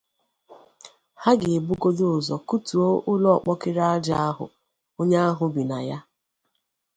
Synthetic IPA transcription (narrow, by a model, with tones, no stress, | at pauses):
ha˦ɡɪ˨bu˦ɡo˦dʊ˦ʊ˨zɔ˨ku˦tu˨o˦ʔʊ˦lɔ˦ɔ˨k͡pɔ˦kɪ˦ɾa˦d͡ʒa˦a˦ɦʊ̰˨ | o˦ɲe˦a˦ɦʊ˨bi˨na˨ja˦